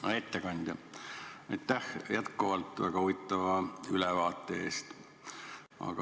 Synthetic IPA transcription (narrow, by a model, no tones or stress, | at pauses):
ɑ̰et̪ːekɑnʲd̪̥jɑ | ɑjt̪ːˑæhjæt̪kuvɑlt̪ːˑvæ̰ɡ̥ɑuvit̪ːˑɑvɑylɛvɑːt̪ˑːee̞ːst̪ | ɑ̰ɡ̥ɑ